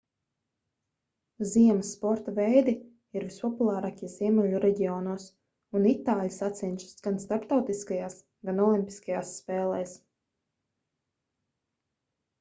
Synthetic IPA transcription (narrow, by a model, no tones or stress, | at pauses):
ziɛməsːpɔɾt̪avɛjd̪i | iɾvispɔpulˠɑːɾakʲiz̥iɛmɛʎʲuɾɛɟʲiɔːnuɔs | unit̪aːlʲisat̪sɛnʲt͡ʃu̥sɡ̥anst̪aɾpt̪awt̪iskajaːs | ɡanɔlˠimʲpʲi̥skajaːsːpɛːlˠɛjs